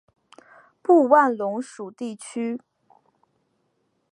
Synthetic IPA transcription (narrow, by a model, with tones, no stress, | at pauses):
pu˥˧wa˥˩nlʊ˧˥ŋʂu˨˩t̪i˥˩t͡ɕʰy˥